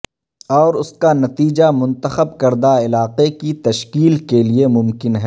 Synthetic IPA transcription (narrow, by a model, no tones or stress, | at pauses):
ɔːɾʊskanɐt̪iːd͡ʒamʊ̃nt̪əxəb̚kɐɾd̪aɪlaːqekit̪ɐʃkiːlkeliemʊmkɪnɦɛː